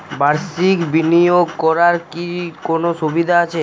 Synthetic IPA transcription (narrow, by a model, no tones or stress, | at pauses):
baɾsikbinijoɡkɔɾaɾkikonoʃubid̪ʱaat͡ɕʰe